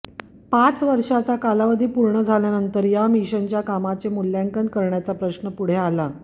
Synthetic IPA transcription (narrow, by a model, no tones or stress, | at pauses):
pat͡sʋəɾʂat͡sakalaʋəd̪ʱiːpuɾɳəd͡zʱaljanənt̪əɾjamiɕənt͡ɕjakamat͡semuljaŋkən̚kəɾɳjat͡sapɾəɕnəpuɽ̤eala